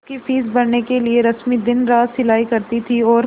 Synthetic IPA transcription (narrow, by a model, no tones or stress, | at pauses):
kifiːsbɐɾnekelieɾɐsmid̪ɪnɾaːzsɪlaːikɐɾt̪it̪ʰiɔːɾ